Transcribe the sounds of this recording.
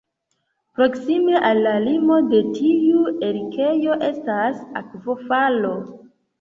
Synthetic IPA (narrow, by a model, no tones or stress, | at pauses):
pɾo̞ksime̞ʔalːalimo̞de̞tʰiueɾikʰejo̞ʔe̞stasa̰kvo̞falo̞